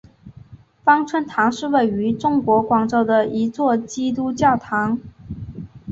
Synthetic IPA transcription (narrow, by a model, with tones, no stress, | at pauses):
fɑ˥ŋʈ͡ʂʰwə˥nt̪ʰɑ˧˥ŋʂɻ̩˥˧we˥˩ɪy˧˥ʈ͡ʂʊ˥ŋkwɔ˧˥kwɑ˨˩ŋʈ͡ʂo˥˩ʊd̪ə˩i˧˥t͡swɔ˥˩t͡ɕi˥t̪̬u˥t͡ɕjɑ˥˩ʊt̪ʰɑ˧˥ŋ